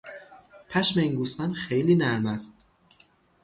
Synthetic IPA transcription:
pʰæʃmeiːnɡuːst̪ænxejliːnæɾmæst̪̚

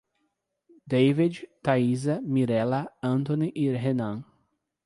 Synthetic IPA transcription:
d̪ejvid͡ʒt̪aizɐmiɾɛlɐɐ̃nt̪õniʔiɦenɐ̃

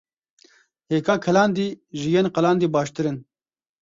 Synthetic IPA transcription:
heːkaːkʰɐlaːnd̪iʑiɡenqɐlaːnd̪ibaːɕt̪iɾen

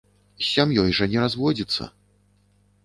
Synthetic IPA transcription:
sʲamjɔjʐɐnʲɛɾazvɔd͡zʲit̪sːɐ̰

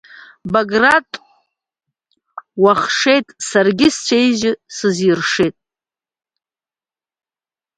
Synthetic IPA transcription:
baɡratʼ | waχʂe̞jtʼsarɡʲɪst͡ʃʷʰejʒɪsɨzirʂejtʼ

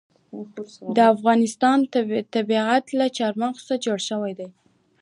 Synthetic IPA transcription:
d̪əafɣɑnɪst̪ɑnt̪abiat̪lat͡ʃɑɾmaqsad͡ʒoɽʃəwajd̪aj

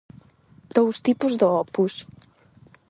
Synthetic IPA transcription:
d̪̥owst̪ipuzðəɔpus

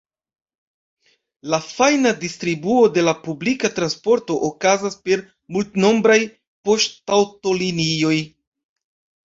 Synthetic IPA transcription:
lafajnadistɾibuo̞de̞lapublikatɾanspo̞ɾto̞ʔokazaspe̞ɾ | multno̞mbɾaj | po̞ʃttawto̞linio̞j

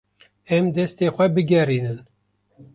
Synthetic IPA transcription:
ɛmd̪ɛst̪eːxʷɛbɨɡɛriːnɨn

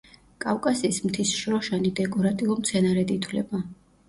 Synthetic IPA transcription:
kʼafkʼasiːsmt̪ʰisʃɾɔʃanid̪ɛkʼɔɾat̪ʼiɔmt̪sʰɛnaɾɛd̪it̪ʰwlɛ̰ba

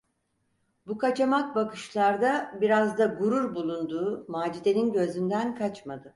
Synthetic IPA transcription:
bukat͡ʃamak̚bakʰɯʃlˠaɾd̪abiɾazd̪aɡuɾuɾbulˠund̪uːmaːd͡ʒid̪e̞ninɟø̞zynd̪ænkʰat͡ʃmad̪ɯ

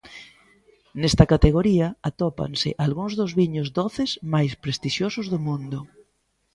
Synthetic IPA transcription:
nɛst̪ɐkat̪eɣoɾiɐat̪ɔpa̰nsɪ̰ʔalɣuŋzðʊzβiɲʊzd̪ɔθɪzmajspɾest̪iʃjosʊzðʊmũnd̪ʊ

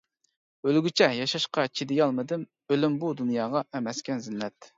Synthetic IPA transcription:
ølɡʲyt͡ʃʰɛjɑʃɑʃqɑt͡ʃʰid̪ɪjɑlˠmɨd̪ɪm | ølymbud̪unjɑːʁɑʔɛmɛskʲɛnzɪnːɛt̪

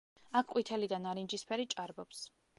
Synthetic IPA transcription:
akʰqʼwit̪ʰɛlid̪anaɾind͡ʒispʰɛɾit͡ʃʼaɾbɔps

